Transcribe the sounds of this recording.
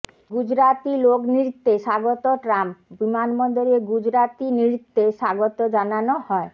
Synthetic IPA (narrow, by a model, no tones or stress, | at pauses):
ɡud͡ʑɾat̪ilokniɾit̪ːeʃaɡot̪oʈɾambimanmɔnd̪oɾieɡud͡ʑɾat̪iniɾit̪ːeʃaɡot̪od͡ʑananohɔe